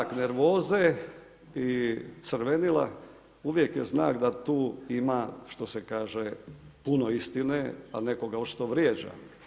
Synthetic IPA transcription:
akne̞ɾʋo̞ːze | it̪sɾʋenila̰ | uʋje̞kjeznaːkd̪at̪uːimaʃt̪o̞se̞kaːʒepuno̞ist̪inea̰ne̞ko̞ɡaot͡ʃi̥t̪oʋɾjeːd͡ʒa̰

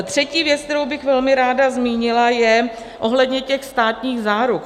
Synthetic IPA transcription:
t̪r̝̥ɛciːvjɛt͡sk̚t̪ɛɾowbɪxvɛlmɪɾaːdazmiːɲɪlajɛ | ʔo̞ɦlɛdɲɛcɛxst̪aːt̪ɲiːɣzaːɾuk

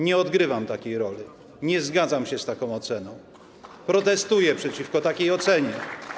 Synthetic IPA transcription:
ɲɛɔd̪ɡɾɘvamt̪akʲejɾɔlʲi | ɲɛzɡad̪zamɕɛst̪akɔ̃w̃ɔt̪sɛnɔ̃w̃ | pɾɔt̪ɛst̪ujɛpʂɛt͡ɕifkɔt̪akʲejɔt̪sɛɲɛ

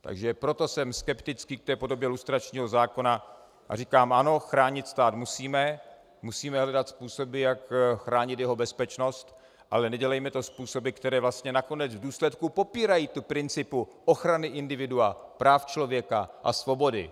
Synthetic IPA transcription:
t̪a̰ɡʒɛpɾo̞t̪o̞sɛmskɛpt̪ɪt͡skiːk̚t̪ɛːpo̞do̞bjɛlust̪ɾat͡ʃɲiːɦo̞zaːko̞na | ʔa̰riːkaːmʔano̞xɾaːɲɪt̪st̪aːt̪musiːmɛ | musiːmɛɦlɛdat̪spuːso̞bɪjakxɾaːɲɪt̪jɛɦo̞bɛspɛt͡ʃno̞st̪ | ʔa̰lɛnɛɟɛlɛjmɛt̪o̞spuːso̞bɪkt̪ɛɾɛːvlast̪ɲɛnako̞nɛd͡zvduːslɛt̪kupo̞piːɾajiːt̪upɾɪnt͡sɪpuʔo̞xɾanɪʔɪndɪvɪduapɾaːft͡ʃlo̞vjɛkaʔa̰svo̞bo̞dɪ̰

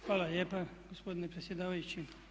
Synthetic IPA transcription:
xʋaːlaljeːpaɡospo̞d̪inepɾet̪sjed̪aːʋajut͡ɕi

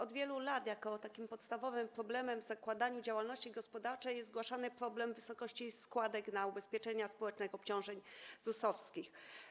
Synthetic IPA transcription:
ɔd̪vʲjɛlulad̪jakɔt̪akʲimpɔt̪st̪avɔvɘmpɾɔblɛmɛmvzakwad̪aɲud͡ʑawalnɔɕt͡ɕiɡɔspɔd̪aɾt͡ʂɛjɛszɡwaʂanɘpɾɔblɛmvɘsɔkɔɕt͡ɕiskwad̪ɛknaubɛspʲjɛt͡ʂɛɲaspɔwɛt͡ʂnɛxɔpt͡ɕɔ̃w̃ʐɛɲzusɔfskʲix

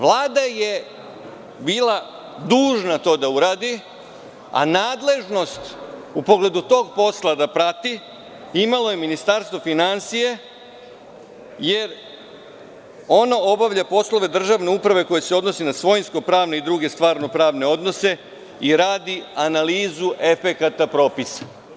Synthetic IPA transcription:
ʋlˠaːd̪aje̞ | biːla | d̪uːʒnat̪o̞ːd̪auɾaːd̪i | a̰naːd̪le̞ʒno̞st̪upo̞ɡle̞d̪ut̪o̞ːɡ̚po̞slˠad̪apɾat̪i | imalo̞je̞minist̪aɾst̪ʋofinansije | je̞ɾ | o̞nao̞baʋʎapo̞slo̞ʋe̞d̪r̩ʒaʋne̞upɾaʋe̞ko̞jese̞o̞d̪no̞sinasʋo̞jnsko̞pɾaːʋne̞id̪ɾuɡe̞st̪ʋaːɾno̞pɾaːʋne̞o̞d̪no̞se̞ | iɾaːd̪ianaliːzuʔe̞fe̞kat̪apɾo̞ːpisa

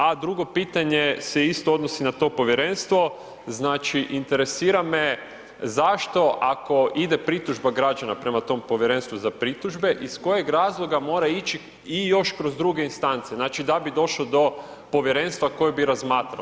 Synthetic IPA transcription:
ad̪ɾuɡo̞piːt̪aɲeseist̪oo̞d̪nosinat̪o̞po̞ʋjeɾe̞nst̪ʋo̞ | znaːt͡ʃiʔint̪e̞ɾe̞siːɾame | zaʃt̪o̞ʔako̞id̪e̞pɾit̪uʒbaɡɾad͡ʒanapɾe̞mat̪o̞mpo̞ʋjeɾe̞nst̪ʋuzapɾit̪uʒbe̞ʔisko̞je̞ɡɾaːzlˠo̞ɡamo̞ːɾait͡ʃi | ijo̞ʃkɾozd̪ɾuɡeinst̪ant̪seznaːt͡ʃid̪abid̪o̞ʃlod̪o̞ | po̞ʋjeɾe̞nst̪ʋako̞jebiɾazmaːt̪ɾa̰

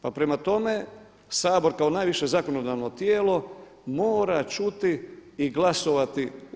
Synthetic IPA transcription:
papɾe̞mat̪o̞me̞ | saːboɾkao̞naːjʋiʃe̞zako̞nod̪aʋno̞t̪jeːlo̞ | moːɾat͡ʃut̪iːɡlˠaso̞ʋat̪i

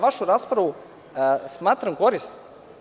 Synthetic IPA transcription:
ʋaʃuɾaːspɾaʋu | smaːt̪ɾamkoɾist̪

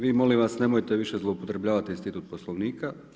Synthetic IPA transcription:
ʋiːmo̞limʋasne̞mojet̪eʋiʃezlˠoupo̞t̪ɾe̞bʎaːʋat̪inst̪it̪uːt̪̚poslˠoʋniːka

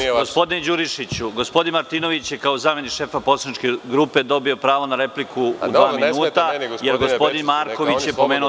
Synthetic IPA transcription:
ɡospo̞d̪ind͡ʑuɾiʃit͡ɕuɡo̞spod̪inmaɾt̪ino̞ʋit͡ɕjekaozaːme̞nikʃe̞ːfaposanit͡ʃkeɡɾupe̞d̪o̞bio̞pɾaːʋonaɾe̞plikʰuṵd̪ʋaːminnuːt̪ajeɾɡospo̞d̪inmaːɾko̞ʋit͡ɕjeppo̞meːnu

